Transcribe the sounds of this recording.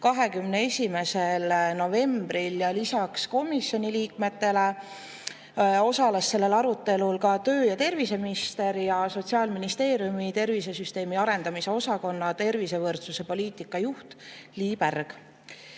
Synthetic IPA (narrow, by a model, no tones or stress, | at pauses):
kɑɦe̞kymnee̞sʲime̞se̞lno̞ve̞mbɾiljɑlisɑksko̞misjo̞nʲiliːkme̞t̪ːe̞le̞ | o̞sɑlesːe̞lːe̞lɑɾut̪ːˑe̞lulkɑt̪ø̞ːjɑt̪e̞rvise̞minist̪e̞ɾjɑso̞t̪ʲsiɑːlminist̪e̞ːɾjumit̪e̞rvise̞syst̪e̞ːmiɑɾe̞nd̪ɑmise̞o̞sɑko̞nːɑt̪e̞rvise̞vɤrt̪suse̞po̞lʲiːt̪ˑikːˑɑjuht̪liːpærɡ̥